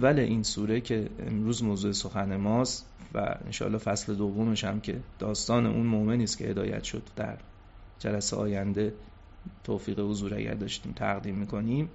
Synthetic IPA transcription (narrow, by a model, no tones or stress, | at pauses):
ævːæle̞ʔiːnsuːɾe̞cʰe̞ḛmɾuːzmoːzuːe̞soxæne̞mɒːst̪ | væ̰ḛnʃɒ̰ːlːɒːhfæsle̞d̪ovːo̞me̞ʃæmcʰe̞d̪̥ɒːst̪ɒːne̞̰ʔunmoʔme̞niːscʰʲe̞hed̪ɒːjæ̰t̪ʃo̞d̪ːæ̰ɾ | d͡ʒælæseɒːjænd̪e̞ | t̪ʰoːfiːɣehozuːɾæ̰ɟæ̰ɾd̪ɒːʃt̪iːmt̪ʰæ̰ɣd̪iːmːiːkʰo̞niːm